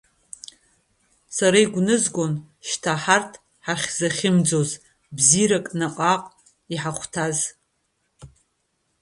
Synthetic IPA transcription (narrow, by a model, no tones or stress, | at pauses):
saɾaiɡʷnɨzɡʷo̞n | ʃtʰaħartʰ | ħaχʲz̥aχʲɪmd͡zo̞z | bziɾakʼnaqʼaqʼ | iħaχʷtʰaz